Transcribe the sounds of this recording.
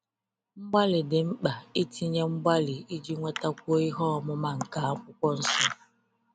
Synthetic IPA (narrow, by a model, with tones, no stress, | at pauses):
ŋ͡m̩˦ɡ͡ba˦lɪ˨dɪ˨ŋ͡m̩˦k͡pa˨i˦ti˦ɲe˦ŋ͡m̩˦ɡ͡ba˦lɪ˨i˦d͡ʒi˦ŋʷe˦ta˦kʷu˦o˦i˦ɦɔ˦ɔ˨mʊ˦ma˦ŋ̩˨ka˨a˦kʷʊ˦kʷɔ˦n̩˦sʊ˦